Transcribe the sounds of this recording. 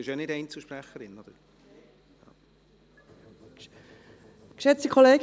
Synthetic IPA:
ɪʃɑnɪdɛɪnt͡səl̩ʃpɾæχəɾɪnɔd̥̪əɾ | jɑ̰ | kʃɛt͡stikʰoleːɡ

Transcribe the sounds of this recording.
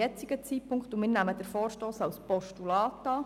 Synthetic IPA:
ɛt͡siɡət͡siːpʰʊŋktumɪːɾnæməd̥̪əɾfoːɾʃtoːsɑwspɔʃtulɑːtɑː

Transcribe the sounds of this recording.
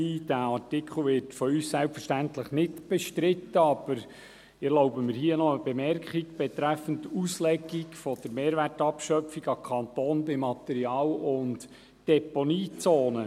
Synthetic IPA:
d̥æɑtɪkχl̩ˠʋɪrtfɔyːssælpfəɾʃtæntləχnɪtb̥ɛʃtɾɪt̪ːəɑb̥əɾ | ɪɛloʊbəmɪɾhiənɔəb̥ɛmɛrkiɡb̥ɛt̪ɾæfəntuslɛɡiɡfɔd̪̥əɾmeːɾvʋærtɑpʃœpfiɡɑkʰɑnt̪oːnbɪmɑt̪ɛɾiɑːlʊnt | d̥ɛponiːt͡soːnə

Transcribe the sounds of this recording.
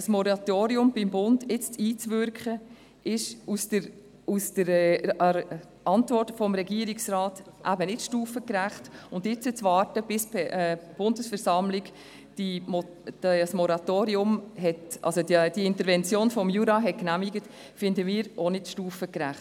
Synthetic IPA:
smɔɾɑtoːɾiʊmb̥ɪmbʊndɪt͡stiːt͡svʏɾkχə | ɪʃusdəɾ | usd̥əɾ | ɑntvɔrtfɔmɾɛɡiːəɾɪksɾɑːtʔæbənɪtʃtuːfəkɾæχtʊndɪt͡sət͡sʋɑːrtəb̥ɪspɛɛb̥ʊndəsfɛɾsɑmlɪk | d̥imɔ̥ | smɔɾɑtoːɾiʊmɦɛtʔɑ̰lsodd̥iɪntəɾvɛnt͡sjoːnfɔmjuɾɑɦɛt̚knæmiɡət | fɪndəmiːɾonɪtʃtuːfəkɾæχt

